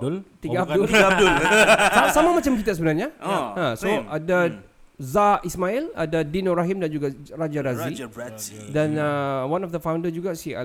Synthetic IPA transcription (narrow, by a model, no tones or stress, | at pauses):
dlt̪iɡddʊlsaasamamat͡ʃamk̬it̪asəbənarɲaãsoada | zaʔismaila̰dadinoɾaɦimdand͡ʒuɡarad͡ʒaɾazi | danawãnɔfd̪əfãwndəsd͡ʒuɡasḭ